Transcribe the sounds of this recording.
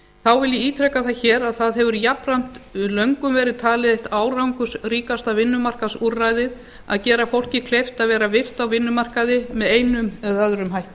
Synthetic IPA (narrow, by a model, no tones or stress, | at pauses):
θawvɪlːɪiːt̪ʰɾɛkaθaçɛːɾaðθaðɦɛvʏɾjaprajm̥t̪ʏlœŋkʏmvɛːɾɪðt̪ʰaːlɪðeht̪aːwrawŋkʏsriːkast̪avɪnːʏmar̥kasurajðɪð | a̰ðcɛːɾafowl̥cɪkʰlejft̪aðvɛːɾavɪr̥t̪awvɪnːʏmar̥kaðɪmɛðeːjnʏmɛðœðɾʏmɦajht̪